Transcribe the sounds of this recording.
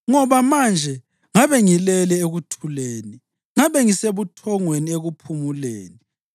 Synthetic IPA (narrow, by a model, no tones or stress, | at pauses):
ŋɔβamand͡ʒʱɛ | ŋaβɛŋilɛlɛeɣutʰuleːni | ŋaβɛŋiseβutʰɔŋwenieɣupʰumulḛːni